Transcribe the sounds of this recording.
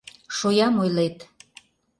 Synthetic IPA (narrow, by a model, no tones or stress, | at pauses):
ʃojɑmojlet̪